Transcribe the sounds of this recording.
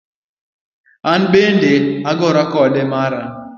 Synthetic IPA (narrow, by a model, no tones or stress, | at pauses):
an̩ɓendeaɡɔɾakɔdemaɾa